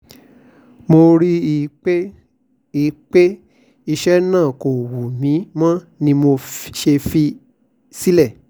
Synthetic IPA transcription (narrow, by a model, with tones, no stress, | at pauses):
mo˧ɾi˦˨˦ | i˨k͡pe˦ | i˧ʃɛ˦nãː˦˨ko˨wu˨mĩ˨˦mã˦ | nĩ˧mo˧ʃe˧fi˧ | si˦lɛ˦˨